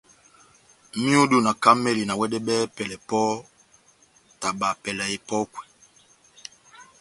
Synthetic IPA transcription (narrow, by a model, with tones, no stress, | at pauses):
mi˦u˦do˦˨na˨ka˦mɛ˦li˨na˨wɛ˦dɛ˦ɓɛː˦pɛ˨lɛ˨pɔ˦ | ta˨ɓa˨pɛ˨la˨e˨pɔ˦kwɛ˨